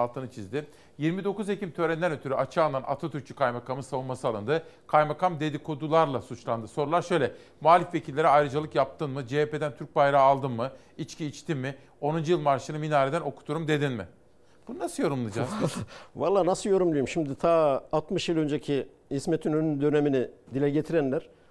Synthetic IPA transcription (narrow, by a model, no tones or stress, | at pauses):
alˠt̪ʰɯnɯt͡ʃʰizd̪ɪ | jiɾmid̪o̞kuzecʰimt̪ʰø̞ɾɛnd̪ænø̞t̪ʰyɾyʔat͡ʃʰaːlanʔa̰t̪ʰat̪ʰyɾ̚t͡ʃʰy̥kʰajmakʰamɯsavunmasɯalˠɯnd̪ɯkʰajmakamd̪e̞d̪ikʰod̪ulˠaɾlˠasut͡ʃlˠand̪ɯso̞ɾulˠaɾʃø̞jlʲɛ | moalʲifve̞cʰilʲːeɾɛajɾɯd͡ʒalˠɯkjap̚t̪ʰɯnmɯd͡ʒeepʰe̞d̪ænt̪ʰyɾc̚bajɾaːlˠd̪ɯnmɯ | it͡ʃcʰiːt͡ʃt̪ʰimːɪ | o̞nund͡ʒujɯlˠmaɾʃɯnɯminaːɾed̪æno̞kʰu̥t̪ʰuɾumd̪e̞d̪inmɪ̰ | b̥ununasɯjo̞ɾumlˠɯd͡ʒaz̥valˠːaːnasɯjo̞ɾumlˠujumʃimd̪it̪ʰaːt̪mɯʃjɯlˠø̞nd͡ʒecʰi | hismet̪ʰynønynd̪ø̞neminid̪ilʲɛɟet̪ʰiɾænlʲæɾ̥